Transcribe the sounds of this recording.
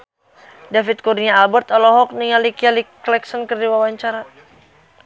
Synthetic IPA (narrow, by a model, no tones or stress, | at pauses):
dafit̪̚kuɾiɲaːlbərt̪ɔlɔɦɔk̚niŋalikialiklɛksɔnkərdiwawaɲt͡ʃaɾa